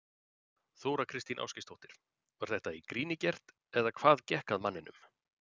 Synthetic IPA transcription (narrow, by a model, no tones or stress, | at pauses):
θoːwɾakʰɾɪst̪ina̰wscɪst̪ʰɔwht̪ɪɾ̥ | vaɾ̥θɛht̪aikɾiːnɪcɛr̥t̪ | ɛðakʰv̥aːðcɛhkaðmanːɪnʏ̰m